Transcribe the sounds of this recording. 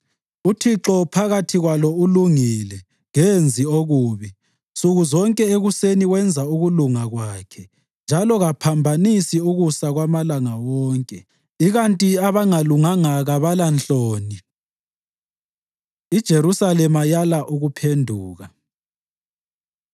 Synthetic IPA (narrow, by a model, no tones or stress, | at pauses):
utʰiǁɔpʰaɣatʰiɣwalɔuluŋilɛ | ŋend͡zʱioɣuːβi | nst͡sʼuɣuzɔŋkʼɛeɣuseniwɛnd͡zʱauɣuluŋaɣwakʰɛ | nd͡ʒʱalɔɣapʰambʱanisiuɣusaɣwamalaŋawɔːŋkʼɛ | iɣantʼiaβaŋaluŋaŋaɣaβalant͡ɬʼoːni | id̥ʒ̥ʱeɾusalɛmajalaʔuɣupʰendʱuːɣa